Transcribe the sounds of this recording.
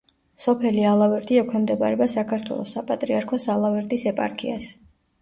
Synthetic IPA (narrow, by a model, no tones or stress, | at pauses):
sɔpʰɛlialˠavɛɾt̪ʼiɛkʰwɛmd̪ɛba̰ɾɛbasakʰaɾt̪ʰwɛ̰lˠɔ̰sapʼat̪ʼɾiaɾkʰɔsalˠavɛɾt̪ʼisɛpʼa̰ɾkʰḭa̰s